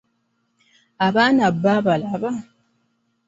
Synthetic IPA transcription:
aβanabːaβalaβa

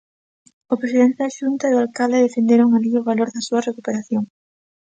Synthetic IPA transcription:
opɾesiðent̪eðɐʃunt̪ɐiðoalkald̪eðefend̪eɾoŋaliʊβaloɾðɐsuɐrekupeɾaθjoŋ

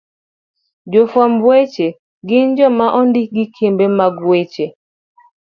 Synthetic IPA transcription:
d͡ʒofɔmbwet͡ʃe | ɡɪnd͡ʒɔmaʔɔndɪɡɪkʰembemaɡwet͡ʃe

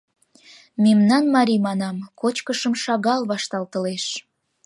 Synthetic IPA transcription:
memnɑnmɑɾʲimɑnɑmkot͡ɕkəʃəmʃɑɣɑlβɑʃt̪ɑlt̪ə̆leʃ

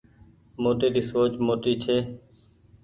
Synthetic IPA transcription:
moːt̪eːd̪iːsoːt͡ʃmoːt̪iːt͡ʃʰeː

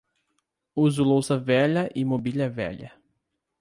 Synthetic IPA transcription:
uzʊlowsɐvɛʎɐʔimobiʎɐvɛ̰ʎɐ̰

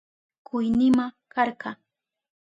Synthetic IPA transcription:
kʊjnɪmakɑɾɢɑ

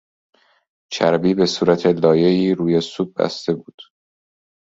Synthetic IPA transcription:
t͡ʃʰæɾbiːbe̞suːɾæt̪ʰelɒːje̞iːɾuːjesuːb̚bæ̰st̪e̞buːd̪̥

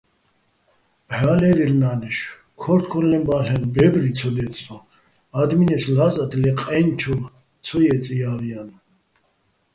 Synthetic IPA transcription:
baːlɛɾiɾnanɛʃ | kʰɔɾt̪ʰkʰɔɾlɛmbaɬɛnbɛbɾit͡sʰɔd̪ɛt͡sʼɔ | ad̪minɛslazad̪lɛqʼɛnt͡ʃʰul | t͡sʰɔjɛt͡sʼijavijan

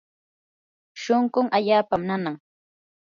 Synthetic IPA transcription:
ʃoŋɢʊŋʔaʎaːpamnanaŋ

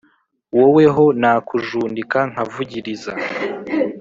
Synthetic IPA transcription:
wowe̞ɦo̞naːkuʒuːndikaŋ̥avuɟiɾiza

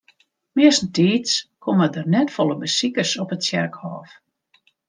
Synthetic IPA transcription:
mɪəsn̩tiːtskʰomədərnɛtfɔlˠəbəsikəsɔpətsjɛrkhɔːf

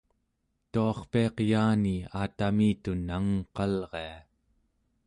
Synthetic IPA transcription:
t̪uɑχpiɑqjaːniaːt̪amiːt̪unaŋqɑlʁe̞a

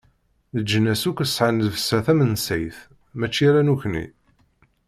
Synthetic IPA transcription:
ðəd͡ʒːənːæsukʷːəsʕanðvəsːæθæmənsæjθ | mæt͡ʃːiɾænuçnḭ

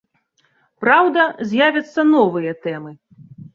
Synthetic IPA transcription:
pɾawd̪ɐzʲjavʲɐt̪sːɐnɔvɨjɐt̪ɛmɨ

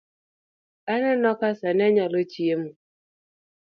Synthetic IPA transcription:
ananɔkasanɛɲalot͡ʃiemu

